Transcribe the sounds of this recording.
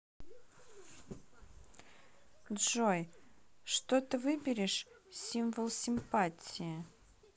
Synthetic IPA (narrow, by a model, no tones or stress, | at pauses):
dʐojʂt̪ot̪ɨvɨbʲɪɾʲɪʂsʲimvəlˠsʲɪmpatʲɪjɪ